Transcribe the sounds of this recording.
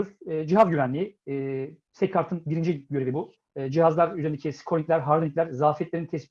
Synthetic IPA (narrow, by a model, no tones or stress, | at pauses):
uɾːd͡ʒiɦazɟyvænlʲii | sɛckʰaɾt̪ʰɯnbiɾind͡ʒiilʲɟøɾevibuː | d͡ʒiɦazlˠaɾyzeɾind̪ecʰisi̥kʰɾoicʲlʲæɾɦaɾmoniclʲæɾzaːfɛt̪lʲeɾinit̪ʰɛs